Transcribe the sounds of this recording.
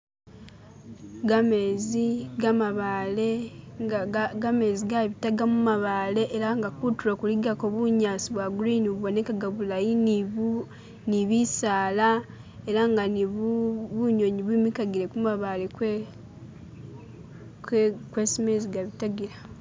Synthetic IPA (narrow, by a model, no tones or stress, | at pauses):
ɡame̞ziɡamaβaːle̞aɡame̞ziɡaβitaɡamumaβale̞ʔːɾaŋɡakutuɾokuliɡakoβuɲaːsiβwaɡuɾiniβwonekaɡaβulajin | niβisaːla | eɾaŋɡaniβuβuɲo̞ɲiβimikaɡiɾe̞kumaβale̞k | kwe̞simeziɡaβitaɡiɾa